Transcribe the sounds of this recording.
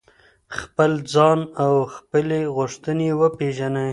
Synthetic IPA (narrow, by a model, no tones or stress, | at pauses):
xpəld͡zɑnawxpəleɣʊʂt̪ənewəpeʒanə